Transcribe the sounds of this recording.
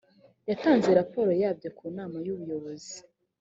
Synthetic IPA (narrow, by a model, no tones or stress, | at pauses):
jataːnze̞ɾapo̞ːɾo̞jaːbɟo̞kʰuːnaːmajuβujo̞βo̞zi